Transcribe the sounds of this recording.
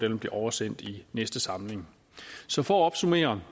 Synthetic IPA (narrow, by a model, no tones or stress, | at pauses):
d̥el̰m̩b̥le̝ʔɒʊɐsen̰d̥inesd̥əsɑ̈mle̝ŋ | sɒ̽fɒɒ̽b̥sume̝̰ːɐn